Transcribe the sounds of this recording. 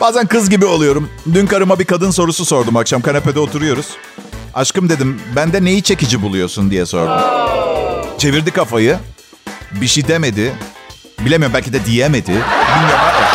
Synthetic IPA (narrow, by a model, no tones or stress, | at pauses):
b̥aːzænkɯzɟibio̞lˠujo̞ɾumd̪ynkaɾɯmabikʰad̪ɯnso̞ɾususo̞ɾd̪umakʃamkanepe̞d̪ɛot̪ʰuɾujo̞ɾuz̥ | aʃkɯmd̪e̞d̪imbænd̪ɛne̞jit͡ʃʰe̞cid͡ʒibulˠujo̞sund̪ijɛso̞̰ɾd̪um | t͡ʃʰe̞viɾd̪ikʰafajɯ | biʃid̪eme̞d̪ɪ | bilʲemijoɾmbælʲcid̪ɛd̪ijeme̞d̪ɪbinjapaɾa